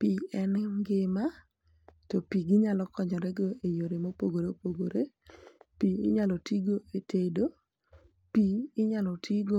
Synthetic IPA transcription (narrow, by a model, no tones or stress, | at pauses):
piɛnŋɡɪma | topiɡɪɲalɔkɔɲɔɾɛɡoejoɾemopoɡoɾeopoɡoɾepiɪ̰ɲalɔtiɡoetedo | piɪɲalɔtʰiɡo